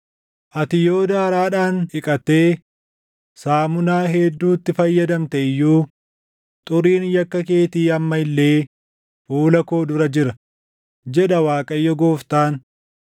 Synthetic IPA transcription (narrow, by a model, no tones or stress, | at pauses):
ʔɐt̪ɪjo̞ːd̪aːɐɾaːᶑaːnhɪkʼɐt̪e̞ː | saːmʊnaːɦɛd̪ːuːt̪ːɪfɐjːɐd̪ɐmt̪ɛɪjːuː | t̪ʼʊɾiːnjɐkːɐke̞ːt̪iːɐmːɐɪlːe̞ː | fuːlɐko̞ːd̪ʊɾɐd͡ʒɪɾɐ | d͡ʒɛᶑɐwaːkʼɐjːɔɡoːft̪aːn